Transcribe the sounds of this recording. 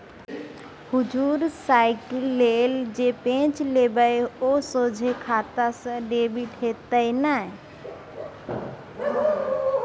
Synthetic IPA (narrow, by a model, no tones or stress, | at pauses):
hud͡ʒuɾsaɪklːeld͡ʒepẽt͡ʃlebəjosod͡ʒʱekʰat̪asə̃ɖebiʈɦet̪əjnə